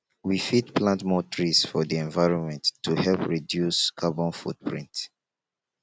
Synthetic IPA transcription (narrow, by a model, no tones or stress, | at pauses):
wifitplãntmɔtʰɹisfɔdiɛ̃nvaɪɹɔ̃nmɛ̃ntːuhɛlpɹidjuskʰabɔ̃nfṵt̚pʰɹḭ̃nt